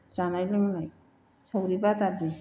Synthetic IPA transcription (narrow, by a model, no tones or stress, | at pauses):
t͡ʃanajlɯŋnaj | sawɾibatabi